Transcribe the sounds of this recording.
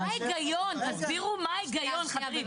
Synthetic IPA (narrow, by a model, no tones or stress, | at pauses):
ajɡajontasbiʁumajɡajonχɐʁi